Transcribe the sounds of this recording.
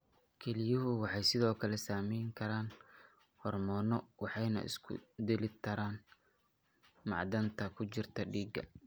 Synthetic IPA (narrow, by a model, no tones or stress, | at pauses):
kʰɛlɪjʊɦʊwɑħɑjsɪðɔːkʰɐlɛsaːmɛjŋkʰɐɾaːn | hɔrmɔːnɔwɑħɑjnɐ̰ʔɪ̰skʰʊ̰d̪ɛlɪt̪ʰɐɾaːn | mɑ̰ʕd̪ɐnt̪ʰɐkʰʊt͡ʃɪrt̪ʰɐɖiːɡɐ̰